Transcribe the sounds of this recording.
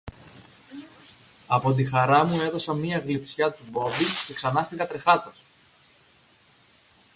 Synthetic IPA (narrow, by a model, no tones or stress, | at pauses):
ɐpo̞t̪̬ixɐɾɐmue̞ðo̞sɐmiɐɣlipsçɐt̪ubo̞b̪it̪eksɐnɐfiɣɐt̪ɾe̞xɐt̪o̞s